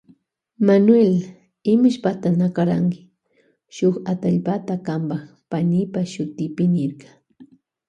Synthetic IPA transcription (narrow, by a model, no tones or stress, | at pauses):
manwel | ɪmʊʃpat̪anakaɾaŋkɪ̥ | ʃoχat̪aʎpat̪akambax | panɪpaʃʊt̪ɪpɪnɪɾkḁ